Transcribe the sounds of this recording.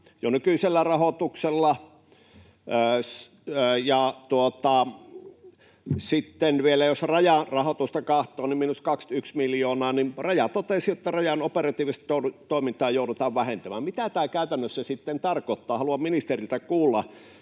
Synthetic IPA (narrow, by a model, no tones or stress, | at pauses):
jonykyiselːærɑhot̪ukselːɑ | s | əjɑt̪uot̪ɑ | sit̪ːenʋielæjosrɑjɑrɑhot̪ust̪ɑkɑht̪ˑoːniminuskɑkst̪yksmiljoːnɑːnimrɑjɑt̪ot̪esijot̪ːɑrɑjɑnoperɑt̪iːʋist̪t̪oˑt̪oˑimint̪ˑɑːjoˑuɾut̪ɑːʋʋæhent̪æmæːmmit̪æt̪æːkæˑyt̪ænːøsːæsit̪ːent̪ɑrkot̪ːɑːhɑluɑmminist̪erilt̪ækuːlːɑ